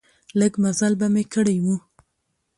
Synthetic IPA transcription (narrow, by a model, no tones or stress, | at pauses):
ləɡmazalbamekəɽajwu